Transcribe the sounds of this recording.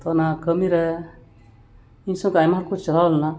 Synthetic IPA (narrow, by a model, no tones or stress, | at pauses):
t̪ɔnakəmiɾɛ | insɔ̃ŋkajmaɾkut͡ʃʰt͡ʃəlawlɛna